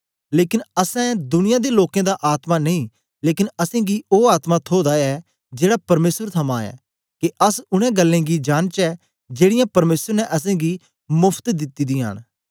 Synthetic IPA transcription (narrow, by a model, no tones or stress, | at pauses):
leːkɪnɐsɛ̃d̪ʊnɪjãd̪eloːkẽd̪aʔaːt̪manɐĩː | leːkɪnɐsẽːɡioːaːt̪mãt̪ʰoːd̪aɛː | d͡ʒeːɽapɐɾmeːsəɾt̪ʰɐmãɛ̰ː | keʔəsʊɽ̃ɛ̃ːɡəlːẽːɡid͡ʒaːnt͡ʃɛː | d͡ʒeːɽɪjãːpɐɾmeːsəɾnɛʔɐs̬ẽːɡi | mʊpʰt̪d̪ɪt̪ːid̪iːa̰ːn